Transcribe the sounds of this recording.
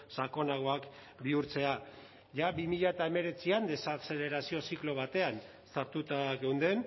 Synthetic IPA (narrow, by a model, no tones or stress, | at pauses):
sako̞naɣ̞o̞ak | biuɾt͡se̞a | ʝaβimiʎae̞t̪ae̞me̞ɾe̞t͡siand̪e̞sase̞le̞ɾasio̞siklo̞β̞at̪e̞an | saɾt̪ut̪aɣe̞wnd̪e̞n